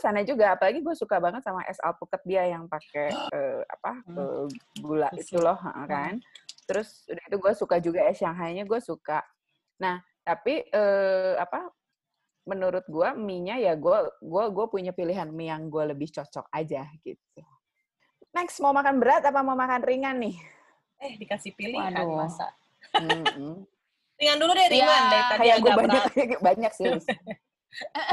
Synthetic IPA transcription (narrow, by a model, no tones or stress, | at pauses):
sanad͡ʒuɡaːpalaɡiɡuasukabaŋət̪̚samaʔɛ̰sa̰lp̪ukət̪̚diajaŋpakeəːa̰paə̰ɡulaʔit̪ulɔhə̰ʔə̰kant̪əɾʊsudahit̪uɡuasukad͡ʒuɡaɛsjaŋɦaɲaɲaɡuasukaʔ | nah | t̪apiəːa̰pa | mənuɾʊt̪̚ɡuamiɲajaɡuaɡuaɡuapuɲapiliɦanmjaŋɡualəbɪht͡ʃɔt͡ʃɔ̰k̚ad͡ʒaɡ̥ḭt̪̚u | nɛksmaumakanbəɾat̪apamamakanriŋanːɪh | ɛhdikasihpilɪdasa̰ | riŋanduludiaɾijaadaiakajaɡuabaɲakbaɲak̚sɪs